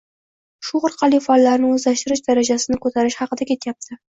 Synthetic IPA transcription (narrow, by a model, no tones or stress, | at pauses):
ʃʊʁʊɾqʰɑlˠifɒlˠːaɾnɪɵzlaʃt̪ɪɾɪʃd̪aɾad͡ʒasɪnɪkʰɵt̪ʰaɾɪʃhɑqɨd̪akʲʰe̞t̪jap̚t̪ʰɪ